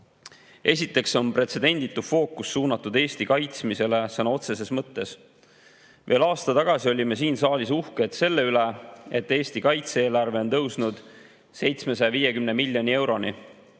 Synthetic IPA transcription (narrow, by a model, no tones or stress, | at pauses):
e̞s̬ʲit̪ːˑe̞kso̞npre̞t̪se̞d̪̥e̞nʲd̪̥it̪ːˑufo̞ːkːusːuːnɑt̪ːud̪e̞ːst̪ikɑjt̪smise̞le̞sɑnɑo̞t̪se̞s̬e̞smɤt̪ːe̞s | ve̞ːlɑːst̪ɑt̪ɑɡ̥ɑsio̞lʲime̞siːnsɑːlʲisuhke̞t̪se̞lːe̞yle̞et̪ːe̞ːsʲt̪ikɑjt̪seeːlɑrve̞o̞nt̪ɤwsnud̪̥ | se̞jt̪sme̞sɑjɑviːjekymne̞milʲjo̞nʲie̞wɾo̞ni